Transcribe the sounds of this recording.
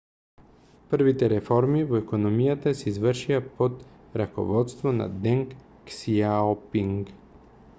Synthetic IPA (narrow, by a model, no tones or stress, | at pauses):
pəɾvit̪ɛɾɛfɔɾmivoɛkonomijat̪asɛizvəɾʃiapot̪ | ɾako̰vɔt̪st̪vona̰d̪ɛŋkː | siaopiŋk